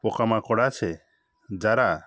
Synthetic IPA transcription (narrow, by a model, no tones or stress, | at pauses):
pɔkamakɔɽat͡ʃʰɛ | d͡ʒaɾaʔ